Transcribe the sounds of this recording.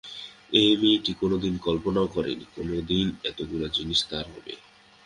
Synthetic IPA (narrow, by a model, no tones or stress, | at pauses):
emiʈikonod̪inkɔlponaokɔɾḛnikonod̪inɛt̪oɡulad͡ʑiniʃt̪aɾɦɔ̰bḛ